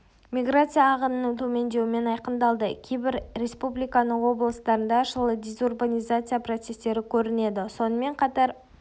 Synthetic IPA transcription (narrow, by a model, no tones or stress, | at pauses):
mʲijɡrat̪sɨjaːʁənənəŋt̪ʰɵme̞nd̪e̞wɪme̞nɑjqənd̪ɑlˠd̪əkʲʰejbɪɾɾe̞spublʲijkɑnəɴwo̞blˠəst̪ɑɾənd̪ɑʃəlˠəd̪ʲe̞zurbanʲijzat̪sɨjapro̞t̪se̞st̪e̞ɾɪkʲʰɵɾɪne̞d̪ɪso̞nəme̞ɴqʰɑt̪ɑɾ